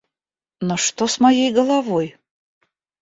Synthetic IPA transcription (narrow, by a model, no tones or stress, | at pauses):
noʂt̪osmajejɡəlˠavoj